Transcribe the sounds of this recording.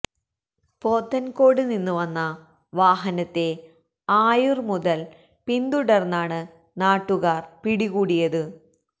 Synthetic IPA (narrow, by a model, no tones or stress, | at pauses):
po̞ːt̪ːɐnko̞ːɽɨninːuʋɐnːɐ | ʋaːɦɐnɐt̪ːe̞ | aːjurmuðɐl | pind̪uɽɐrnːaːɳɨ | naːʈːuɣaːrpiɽiɣuːɽijɐðɨ